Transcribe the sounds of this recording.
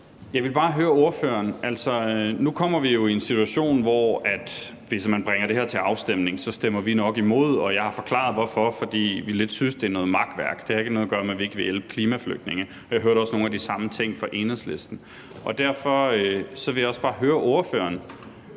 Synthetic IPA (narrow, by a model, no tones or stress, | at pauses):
jɑ̈ɪʋe̝lb̥ɑ̈ːɦøːɐo̝ɐføɐnʔæl̰sɒ̽nukʰɒ̽m̰ɐʋijo̝ie̝nsit͡sʰuæɕo̝̰ːnʋɒæd̥ | ʋe̝smænb̥ʁɛŋɐd̥e̝ɦeɐ̰t͡sʰe̝lɑ̈ʊsd̥em̰ne̝ŋsɒ̽sd̥em̰ɐʋinɒ̽ɡ̥imo̝ð̞̰ˠɒ̽jɑ̈ɪhɑ̈fɒ̽kʰlɑ̰̈ðˠʋɒfɒ̽fɒ̽d̥ḭːʋile̝d̥sysd̥e̝ænɔ̽ːð̩ˠmɑ̈ɡ̥d̥ʋæɐɡ̥d̥e̝ɑe̝ɡ̥ənɔːðˠɐɡ̥ɶɐmeʋie̝ɡ̥əʋe̝jelb̥ə̥kʰliːmæflø̰ɡ̥̚ne̝ŋə | ɒjɑ̈ɪɦøːɐɾɒ̽sno̝ːnæd̥isɑ̈mət͡sʰeŋ̰fɒ̽ʔe̝nhðˠslesd̥n̩ | ʔɒ̽d̥æɐ̰fɒ̽øsɒ̽ʋe̝ljɒ̽sb̥ɑ̈ːɦøːɐʔo̝ɐfø̰ːɐn